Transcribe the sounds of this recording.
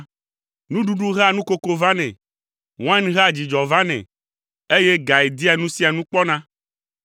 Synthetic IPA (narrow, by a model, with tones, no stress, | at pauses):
nũ˦ɖu˦ɖu˦ɦa˦˨nũ˦ko˦ko˦vã˦nɛ̃˨ | w̃ã˦nɦa˦˨d͡ʑi˨d͡ʒɔ˨vã˦nɛ̰̃˨ | e˦je˦ɡa˨e˨d̪i˦a˨nũ˦si˦a˨nũ˦k͡pɔ˦nã˦